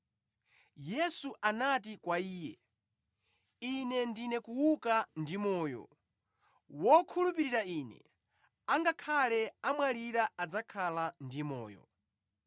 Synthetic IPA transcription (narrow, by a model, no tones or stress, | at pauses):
jɛsuʔanatikwaiːjɛ | inɛndinɛkuwukandimɔːjɔ̰ | wɔkʰulupiɾiɾainɛ̰ | aŋɡakʰalɛamwaliɾaʔad͡zakʰalandimɔ̰ːjɔ̰